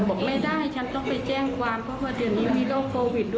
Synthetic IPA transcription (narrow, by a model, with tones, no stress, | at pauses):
bo˨˩˦k̚na˥˩jdaː˥˩jha˥˩jt͡ɕʰa˦˥nt̪ɔ˥˩ŋpa˨˩jt͡ɕɛː˥˩ŋkwaː˧mpʰɔ˦˥waː˧˩dɯ˨˩ənːiː˦˥miː˧loː˥˩kʰːoː˧wi˨˩ɗu˧